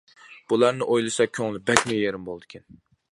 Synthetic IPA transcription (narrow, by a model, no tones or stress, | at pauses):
b̥ulˠæɾnɪʔojlˠɨsɑkʲʰøŋlˠɪbɛkʲmɪjeɾɪmbolˠd̪ɨkʲʰɪn